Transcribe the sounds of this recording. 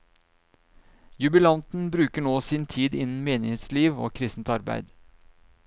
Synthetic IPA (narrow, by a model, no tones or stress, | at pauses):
jʉbɪlɑnt̪n̩bɾʉːkəɳoːsɪnt̪ʰiːd̪ɪnn̩meːnɪhet̪sliːʋo̰ːkʰɾɪst̪n̩t̪ɑɾbæ̰ɪd̪